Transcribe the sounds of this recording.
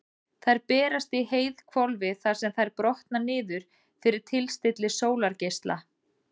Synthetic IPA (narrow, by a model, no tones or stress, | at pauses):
θajɾpɛːɾast̪iɦeːjðkʰvɔlvɪθaɾ̥sɛmθajɾpɾɔht̪nanɪːðʏɾ̥ | fɪɾɪɾ̥t̪ʰɪlst̪ɪt̪lɪsoːwlaɾcejst̪la̰